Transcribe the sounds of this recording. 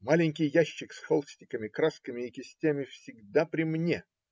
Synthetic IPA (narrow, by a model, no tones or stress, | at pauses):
malʲɪnʲkʲɪjːæɕːɪksxolˠsʲtʲɪkəmʲɪkɾaskəmʲɪɪkʲɪsʲtʲæmʲɪfsʲɪɡd̪apɾʲɪmnʲe